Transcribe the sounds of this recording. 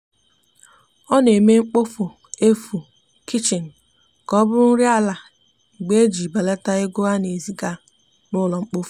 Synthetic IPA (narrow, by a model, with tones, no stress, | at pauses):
ɔ˦ne˨me˦ŋ͡m̩˦k͡po˦fu˨ | e˦fu˨ | ki˦t͡ʃɪ˨n̩˨ | kɔ˦bʊ˦ɾʊ˦n̩˦ɾja˦la˨ | ɡ͡be˦e˦d͡ʒi˨ba˨le˦ta˦ɪ˦ɡʊ˦a˦ne˨zi˨ɡa˦˨ | nʊ˦lɔ˨ŋ͡m̩˦k͡po˦fu̥˨